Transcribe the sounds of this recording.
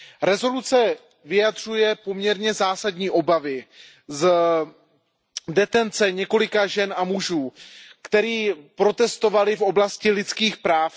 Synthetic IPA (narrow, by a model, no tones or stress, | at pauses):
ɾɛzo̞lut͡sɛ | vɪjad̪r̝ujɛpo̞mɲɛɾɲɛzaːsadɲiːʔo̞bavɪ | z | dɛt̪ɛnt͡sɛɲɛko̞lɪkaʒɛnʔamuʒuːkt̪ɛɾiːpɾo̞t̪ɛst̪o̞valɪfo̞blascɪlɪt͡skiːxpɾaːf